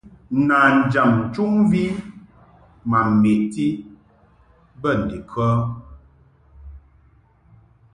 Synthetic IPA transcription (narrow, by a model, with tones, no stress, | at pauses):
na˨n̩˨d͡ʒa˨m̩˨t͡ʃu˦ŋvi˦ | ma˨m˨me˨ti˦ | bə˦˨n̩˨de˨kwɔ˦